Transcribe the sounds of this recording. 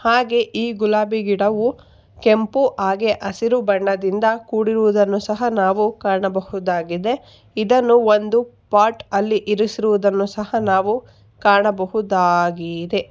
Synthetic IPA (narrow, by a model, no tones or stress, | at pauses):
haːɡe̞ʔiːɡulaːbiɡiɽɐʋu | ke̞mpuʔaːɡeʔɐsiɾubɐɳːɐd̪ind̪ɐkuːɽiɾuʋud̪ɐnːusɐɦɐnaːʋukaːɳɐbɐhud̪aːɡid̪e̞ | id̪ɐnːuo̞nd̪upaːɾʈɐlːiʔiɾusiɾuʋud̪ɐnːusɐhɐnaːʋu | kaːɳɐbɐɦud̪aːɡid̪e̞